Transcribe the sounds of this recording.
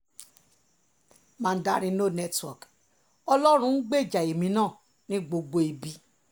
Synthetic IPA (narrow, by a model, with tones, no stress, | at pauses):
mãː˦˧n̩˦da˦ɾ̃ĩ˧˦no˦˨nɛ˦twɔ˨k | ɔ˧lɔ˦ɾ̃ũ˧˦n̩˦ɡ͡be˦˨d͡ʒa˨e˨mĩ˨˦nãː˦˨ | nĩ˦ɡ͡bo˧ɡ͡bo˧i˨bi˨˦